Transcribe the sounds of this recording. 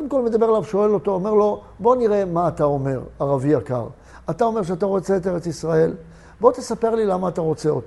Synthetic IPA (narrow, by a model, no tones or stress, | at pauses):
kod̪imko̞lmed̪abe̞elavʃo̞e̞lo̞t̪oome̞ʁlo̞ | bo̞niʁe̞maːt̪ao̞me̞ʁaʁaviaka̰ʁ | at̪ao̞me̞ʁʃeat̪aʁo̞t͡se̞ːt̪eʁet͡sisʁae̞l | bo̞t̪esape̞ʁlilamaːt̪aʁo̞t͡se̞ot